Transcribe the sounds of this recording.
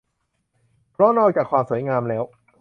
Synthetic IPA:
pʰɾɔ˦˥nɔː˧jt͡ɕaː˨˩kʰwaː˧msuː˩˦jŋaː˧mlɛː˦˥w

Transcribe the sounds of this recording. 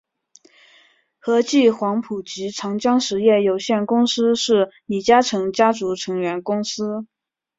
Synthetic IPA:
xɤ˧˥t͡ɕi˥˩xwɑ˧˥ŋpʰu˨˩t͡ɕi˧˥ʈ͡ʂʰɑ˧˥ŋt͡ɕjɑ˥ŋʂɻ̩˧˥jɛ˥˩jo˨˩ʊɕjɛ˥˩nkʊ˥ŋsɹ̩˥ʂɻ̩˥˩li˨˩t͡ɕja˥ʈ͡ʂʰɤ˧˥ŋt͡ɕja˥ʈ͡ʂu˧˥ʈ͡ʂʰɤ˧˥ŋɥɛ˧˥nkʊ˥ŋsɹ̩˥

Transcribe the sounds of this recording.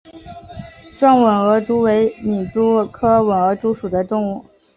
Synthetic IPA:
ʈ͡ʂwa˥˩nwə˨˩nɤ˧˥ʈ͡ʂu˥we˧˥ɪni˨˩ʈ͡ʂu˥kʰɤ˥wə˨˩nɤ˧˥ʈ͡ʂu˥ʂu˨˩d̪ə˦t̪ʊ˥˧ŋu˥˩

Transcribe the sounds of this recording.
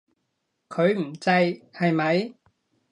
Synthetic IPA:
kʰɵ˨˧ɥm̩˨˩t͡sɐ˧jhɐ˨jmɐ˨˧j

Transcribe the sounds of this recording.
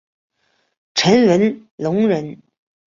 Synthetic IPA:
ʈ͡ʂʰə˧˥nɻə˧˥n | lʊ˧˥ŋɻə˧˥n

